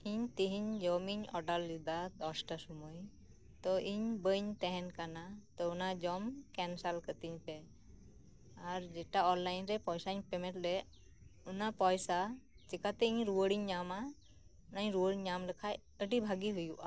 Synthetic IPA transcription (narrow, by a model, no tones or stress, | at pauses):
iɲt̪iɦiɲd͡ʒɔmiɲɔɖallid̪at̪ɔsʈasumuj | t̪ɔʔiɲbəɲt̪ɛɦɛnkanat̪ɔunad͡ʒɔmkɛnsalkət̪iɲpɛ | aɾd͡ʒɛʈaɔnlajnɾɛpɔjsaɲpɛmɛ̃ʈɖɛ | unapɔjsat͡ʃikat̪ɛiɲɾuwəɽiɲːama | naɲɾuwəɽiɲɲamləkʰaj | əɖibʱaɡiɦujuʔa